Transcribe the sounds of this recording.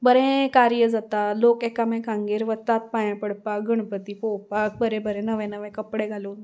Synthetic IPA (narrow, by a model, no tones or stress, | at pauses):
bəɾẽkaɾjəd͡zat̪alokekamɛ̃kãŋɡeːɾʋət̪ːat̪̚pajãpəɽpakɡəɳ̃pət̪iːpowpak̚bəɾɛ̃bəɾẽnəʋɛ̃nəʋɛ̃kəpɽeɡʱaluːn